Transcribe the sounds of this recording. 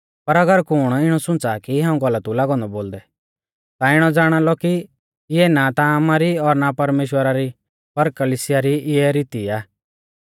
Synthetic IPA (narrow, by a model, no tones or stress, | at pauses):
pɐɾɐɡəɾkʊɽ̃ɪɽ̃ɔsʊ̃nt͡sakiɦãːũɡɐlət̪ulaːɡɔ̃nd̪ɔboːld̪ɛ | t̪aɪɽ̃ɔd͡zaːɽ̃alɔki | ɪɛnat̪aːmaɾiɔɾnapɐɾmeːʃ̬wəɾaɾi | pɐɾkɐlisɪjaɾiʔɪɛɾiːt̪iaː